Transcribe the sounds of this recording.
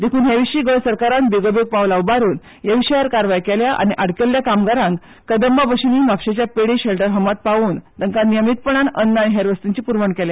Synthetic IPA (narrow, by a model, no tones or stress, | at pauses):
d̪ekʰuːnɦeʋiɕiːɡəɭsəɾkaɾãnbiɡobek̚paʋlaʋbaɾuːn | jeʋiɕəjaɾkaɾʋajkɛljaʔa̰ñiʔaɽkeljakamɡaɾãŋk | kəd̪əmbabəɕiniːmapɕet͡ɕjapeɽiɕɛlʈəɾɦəmat̪̚paʋuːnt̪əŋkanijəmit̪̚pəɳ̃anənːañiɦeɾʋəst̪iɲt͡ɕiːpuɾʋəɳkɛlja